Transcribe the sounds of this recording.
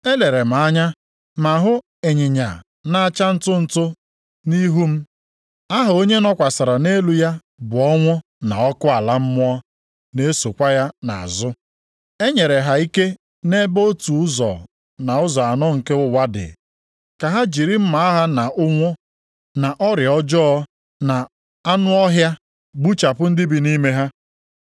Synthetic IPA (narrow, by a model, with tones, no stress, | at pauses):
e˦le˨ɾe˨m̩˨a˦ɲa˦ | ma˨ɦʊ˦ | e˨ɲɪ˨ɲa̰˨ | na˦a˦t͡ʃa˦n̩˦tʊ˦n̩˨tʊ˦ | ni˦ɦu˦m̩˦ | a˦ɦʊ˨o˦ɲe˦nɔ˦kʷa˨sa˨ɾa˨ne˦lu˨ja˦ | bʊ˨ɔ˦ŋʷʊ˦ | na˨ɔ˦kʊ˦a˨la˦m̩˦mʊ˦ɔ˦ | ne˦so˨kʷa˦ja˦na̰˨a̰˨zʊ˦ | e˦ɲe˨ɾe˨ɦa˨i˦ke˦ | ne˦bo˦tu˨ʊ˦zɔ̰˨ | na˨ʊ˦zɔ˨a˨nɔ˦ŋ̩˨ke˦ʊ˦wa˦dɪ̰˨ | ka˨ɦa˦d͡ʒi˨ɾi˦m̩˦ma˨a˦ɦa˦na˨ʔʊ˦ŋʷʊ˦ | na˨ʔɔ˦ɾɪ˨ɔ˦d͡ʒɔ˦ɔ˦ | na˨ | a˦nʊ˦ɔ˦ɦja˦ | ɡ͡bu˦t͡ʃa˨pʊ˦n̩˦dɪ˦bi˨ni˦me˦ɦa˦